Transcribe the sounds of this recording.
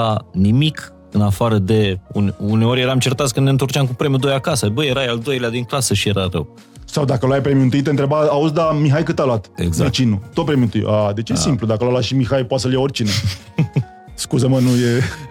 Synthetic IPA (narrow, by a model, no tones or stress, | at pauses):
animik | ɨnafaɾəd̪e̞ununeo̞ɾjeɾamt͡ʃert̪at̪skɨnd̪neɨnt̪ort͡ʃamk̬upɾe̞mjud̪ojakasəbəjeɾajald̪o̞jlead̪iŋklasəʃije̞ɾarə̰w | sawd̪akəlajpɾemjuɨnt̪uɨijt̪ent̪ɾebaːuzd̪amiɦajkɨt̪aloat̪ḛɡzvaet͡ʃinut̪ot̪pɾemjunt̪ṵj̰ʔad̪e̞t͡ʃjesimplud̪akəlalwaʃimixajpoat̪səljaorʲt͡ʃine | skuzəmənuje